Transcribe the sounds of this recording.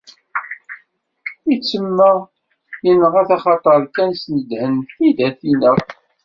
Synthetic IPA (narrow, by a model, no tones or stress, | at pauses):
it͡sːəmːæ | jənəʁæθæχɑt̪ˤɑɾˤkænsnəd̪hənθid̪æθinə